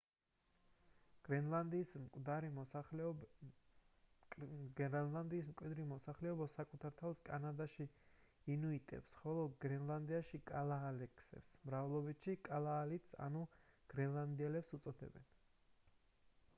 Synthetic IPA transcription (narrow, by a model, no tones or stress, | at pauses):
ɡ̥ɛand̪iskʼd̪aɾi | land̪iːsmkʼwid̪ɾimɔsaχlɛɔbasakʼut̪ʰaɾt̪ʰafskʼa̰nad̪aʃi | inuit̪ʼɛ̰psχɔlˠɔɡɾɛnlˠand̪iaʃikʼalˠaːlɛksɛ̰psmɾavɛlˠɔbit̪ʃikʼalˠaːlit̪sa̰nuɡ̥ɾɛnlˠand̪iɛlɛpsut̪sʼɔd̪ɛ̰bɛ̰n